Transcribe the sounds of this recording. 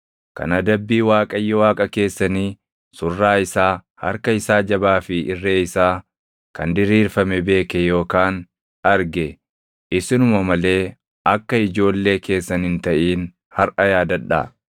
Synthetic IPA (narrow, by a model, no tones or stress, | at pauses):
kɐ̰nɐd̪ɐbːiːwaːkʼɐjːɔwaːkʼɐke̞ːsːɐniː | sʊrːaːɪsaːhɐ̰ɾkɐɪsaːd͡ʒɐbaːfɪʔɪrːeːɪsaː | kɐnd̪ɪɾiːɾfɐmɛbe̞ːkɛjo̞ːkaːn | ɐɾɡɛ | ʔɪsɪnʊmɐmɐle̞ː | ɐkːɐɪd͡ʒo̞ːlːe̞ːke̞ːsːɐnhɪnt̪ɐʔiːn | hɐɾʔɐjaːd̪ɐᶑːa̰ː